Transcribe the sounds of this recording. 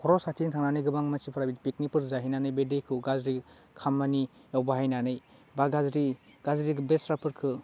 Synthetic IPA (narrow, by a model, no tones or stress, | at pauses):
kʰɔɾɔsatʰintʰaŋnanɯjɡɯbaŋmasipʰɯɾabitipik̚nipʰɯɾzaɦinanɯjbedekʰɯɡazɾi | kʰamːanijawbaɦajnanɯjbaɡazɾiɡ̥azɾikbesɾapʰɯɾkʰɯ